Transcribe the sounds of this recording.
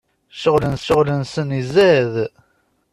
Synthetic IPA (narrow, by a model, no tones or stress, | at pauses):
ʃəʁlənsəʁlənsənizæð